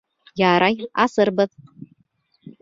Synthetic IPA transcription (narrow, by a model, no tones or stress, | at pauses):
jaːɾajasɨrbɨð